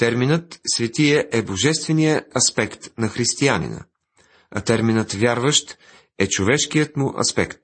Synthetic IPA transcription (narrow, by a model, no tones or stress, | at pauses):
t̪ɛɾminət̪svɛt̪iɛʔɛboʒɛst̪vɛnijəɐspɛkt̪nɐxɾist̪ianḭnə̰ | ɐ̰t̪ɛɾminət̪vʲjaɾvəʃt̪ | ɛt͡ʃovɛʃkijət̪mʊʔɐ̰spɛ̰kt̪